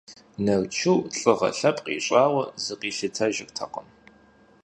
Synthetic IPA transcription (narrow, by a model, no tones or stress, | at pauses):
nɐrt͡ʃʰɨwɬʼɨʁɐ̰ɬɐpʼqʼḭːɕʼɑːwɐzɨqiːɬɨtʰɐʒɪrtʰɐ̰qəm